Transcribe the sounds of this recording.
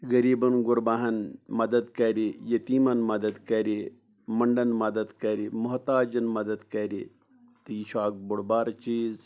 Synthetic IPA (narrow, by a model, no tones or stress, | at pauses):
ɣɐɾiːbɐnɡʊɾbaɦɐnmɐd̪ɐd̪kɐɾijɐt̪iːmɐnmɐd̪ɐd̪kɐɾi | mɐɳɖɐnmɐd̪ɐd̪kɐɾimʊɦt̪aːd͡ʒɐnmɐd̪ɐd̪kɐɾḭ | t̪ɨjiʃaːk̚bʊɽbaːɾt͡ʃiːz